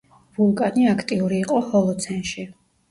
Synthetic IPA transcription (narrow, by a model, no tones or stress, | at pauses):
vulˠkʼaniakʰt̪ʼiuɾiːqʼɔhɔlˠɔt̪sʰɛnʃi